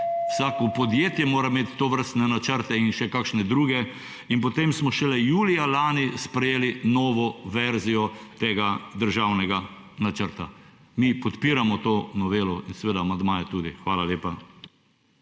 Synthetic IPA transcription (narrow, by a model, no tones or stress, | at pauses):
wsaːkɔpɔd̪jeːt̪jɛmoːɾameːt̪ːoʋəɾst̪nɛnat͡ʃəɾt̪ɛinʃɛkakʃnɛd̪ɾuːɡɛ | inpɔt̪emsmɔʃɛlɛjuːlijalaːnispɾɛjeːlinɔːʋɔʋɛɾzijɔt̪eːɡad̪əɾʒawnɛɡa | nat͡ʃəɾt̪a | miːpɔt̪piːɾamɔt̪oːnɔʋeːlɔinsɛʋeːd̪aːmand̪maːjɛt̪uːd̪ixʋaːlaleːpa